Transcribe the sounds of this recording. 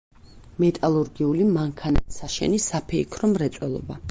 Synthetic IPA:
mɛt̪ʼalˠuɾɡiulimaŋkʰanat̪saʃɛ̰nisapʰɛikʰɾɔmɾɛt̪sʼwɛlˠɔ̰ba

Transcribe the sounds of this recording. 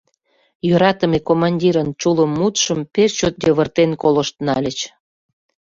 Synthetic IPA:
jøɾɑt̪əmekomɑnʲdʲiɾənt͡ɕuləmːut̪ʃəmpest͡ɕot̪̚døβərt̪enkoləʃt̪nɑlʲət͡ɕ

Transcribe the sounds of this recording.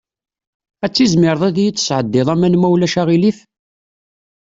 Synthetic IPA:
æt͡sːizmɪɾˤðˤæðjət͡sːə̥sʕəd̪ːɪðˤæmænmæwlæʃaʁiliθ

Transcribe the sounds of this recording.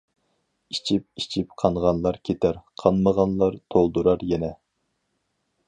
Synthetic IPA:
it͡ʃʰip̚it͡ʃʰipqʰɑnʁɑnlˠɑɾkʲʰet̪ʰæɾqʰɑnməʁɑnlˠɑɾt̪ʰolˠd̪uɾɑɾjɛnɛ

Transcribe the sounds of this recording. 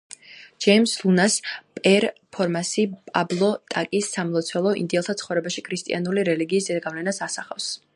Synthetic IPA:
d͡ʒ̥ɛjmslunaspʼɛɾpʰɔɾmasipʼablˠɔt̪ʼakʼisːamlˠɔt̪sʰwɛlˠɔḭnd̪iɛlˠt̪ʰat̪sʰχɔvɾɛbaʃikʰɾist̪ʼḭanuliɾɛliɡiːsd̪ɛaɡavlɛnasasaχafs

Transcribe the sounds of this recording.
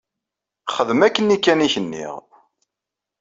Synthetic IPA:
χəðəmækːənːikːæniçənːḭʁ

